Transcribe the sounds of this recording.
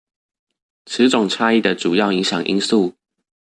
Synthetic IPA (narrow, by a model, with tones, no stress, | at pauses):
ʈ͡ʂ̩ʰ˨˥ʈ͡ʂʊ˨˩ŋʈ͡ʂʰa˥i˥˩d̪ə˩ʈ͡ʂu˨˩jɑ˥˩ʊi˧˥ŋɕjɑ˨˩ŋʔḭ˥nsu˥˩